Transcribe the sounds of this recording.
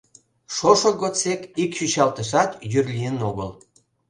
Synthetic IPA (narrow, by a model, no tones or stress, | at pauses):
ʃoʃoɣot͡sekikʃyɕɑlt̪əʃɑt̪jyrlʲijənoɣəl